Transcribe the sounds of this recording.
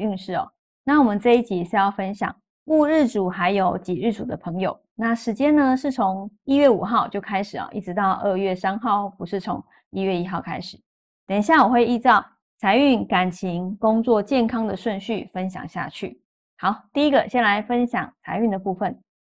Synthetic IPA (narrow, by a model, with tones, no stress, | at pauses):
y˥˧nʂɻ̩˥˩ɔ̰˨˩ | na˥˩wɔ˨˩mə˨˦nt͡sɤ˥˧i˥˩t͡ɕʰi˨˩˨ɕjɑ˥˩ʊfə˥nɕjɑ̰˨˩˦ŋ | u˥˧ɻɻ̩˥˩ʈ͡ʂu˨˩xa˧˥ɪjo˨˥ʊt͡ɕi˨˩ɻɻ̩˥˩ʈ͡ʂu˨˩d̪ə˦pʰɤ˧˥˦ŋjo˨˩ʊna˥˩ʂɻ̩˧˥t͡ɕjɛ˥nnə˧ʂɻ̩˥˩t͡sʰo˧˦ŋi˥ɥɛ˥˩u˨˩xɑ˥˧ʊt͡ɕjo˥˩ʊkʰa˥ɪʂɻ̩˨˩ɔ̰˩ʔi˥˩ʈ͡ʂɻ̩˧˥t̪ɑ˥˧ʊʔə˥˧ɥɛ˥˩sa˥nxɑ˥˩ʊpu˧˦ʂɻ̩˥˩t͡sʰo̰˧˥ŋ | i˥ɥɛ˥˩i˥xɑ˥˩ʊkʰa̰˥ɪʂɻ̩˨˩ | t̪jɛ˨˩nɕ̬ja˥˩wɔ˨˩xwe˥˧ɪi˥˧t͡sɑ˥˩ʊ | t͡sʰa˧˥ɪy˥˩nka˨˩nt͡ɕʰi˧˥ŋkʊ˥ŋt͡swɔ˥˧t͡ɕjɛ˥˩nkʰɑ˥ŋd̪ə˨ʂwə˥˧nɕy˥˩fə˦nɕjɑ̰˨˩ŋɕja̰˥˧t͡ɕʰy̰˥˩ | xɑ˧˥ʊt̪i˥˧i˦˥ɡə˨ɕjɛ˥˩nla˧˥ɪfə˦˥nɕjɑ˨˩ŋt͡sʰa˧ɪy˥˩nd̪ə˩pu˥˧fə˨˩n